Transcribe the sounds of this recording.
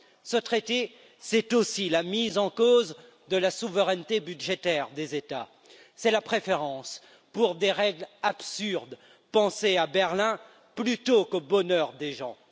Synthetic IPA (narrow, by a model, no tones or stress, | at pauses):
sət̪χet̪e | sɛt̪osilamizɑ̃koz | d̪əlasuvəʁɛnt̪ebydʒet̪ɛʁd̪ezet̪a | sɛlapχefeʁɑ̃s | puʁd̪eʁɛɡlapsyʁd̪ | pɑ̃seabɛʁlɛ̃ | plyt̪okobɔnœʁd̪eʒɑ̃